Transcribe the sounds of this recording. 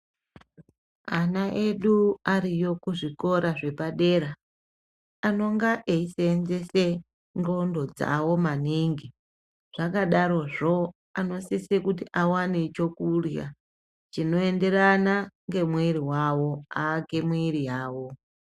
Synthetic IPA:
anaʔe̞ɗuaɾijo̞kuʐiko̞ɾaʐe̞paɗe̞ɾaː | no̞ŋɡaʔeiseːnze̞se | ŋɡo̞ndo̞d͡za̰wo̞maniŋɡi | ʐ̥akaɗaɾo̞ʐo̞ | ano̞sisekutiʔawane̞t͡ʃo̞kurja̰ | t͡ʃino̞e̞nde̞ranaŋɡe̞mweɾiwawo̞aːɡe̞mweɾijaːwo

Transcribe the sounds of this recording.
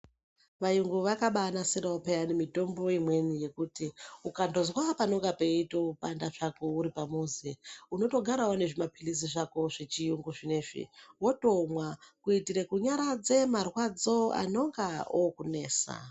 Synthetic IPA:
ʋajuŋɡuʋakaɓanasiɾaopeanemito̞mbo̞imwe̞nije̞kutiukando̞zwapano̞ŋɡape̞itopandaʐakouɾipamozeuno̞to̞ɡʱaɾawone̞ʐimapilis̬iʐako̞ʐet͡ʃijuŋɡuʐine̞ʐḭwo̞to̞mwakuitiɾekuɲaɾad͡ze̞marwad͡zo̞a̰no̞ŋɡaokune̞ːsa̰

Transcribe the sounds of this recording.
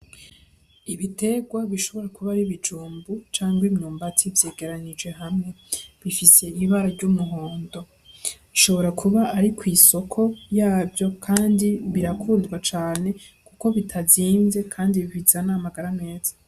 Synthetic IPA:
iβite̞ɡwaβiʃo̞βo̞ɾakuβaɾiβid͡ʒuːmbut͡ʃaːŋɡwimɲuːmbatʰivje̞ːɡe̞ɾaɲid͡ʒwe̞ɦamŋe̞ | βifise̞iβaɾaɾɟumuɦoːndo̞ | iʃo̞βo̞ɾakʰuβaʔːɾikwiːso̞kʰo̞jaːvjo̞kʰaːndiβiɾakʰuːndɡwat͡ʃaːne̞ | kuko̞βitʰaziːnze̞kʰaːndiβiβizanamaɡaɾane̞ːz̥ḁ

